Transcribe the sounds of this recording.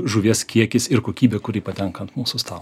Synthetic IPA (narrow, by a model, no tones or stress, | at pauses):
ʒʊʋʲiɛskʲiɛkʲɪsɪɾkoːkʲiːbʲɛːkʊɾʲiɪpɐt̪ʲɛŋkɐnt̪muːsʊst̪ɑːlˠ